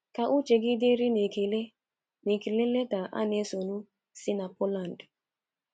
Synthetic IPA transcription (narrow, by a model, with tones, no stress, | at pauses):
ka˨ʔʊ˦t͡ʃe˨ɡɪ˦dɪ˦ɾɪ˦n˨kle˦ | ne˨ke˨le˦le˦ta˨ʔa̰˦ne˦so˨nu˦ | sɪ˦na˨pɔ˦la˨n̩˨d